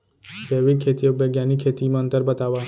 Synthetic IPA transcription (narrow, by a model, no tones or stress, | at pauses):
beʋikʰːet̪iobeɡjanikʰet̪imãənt̪əɾbət̪aʋa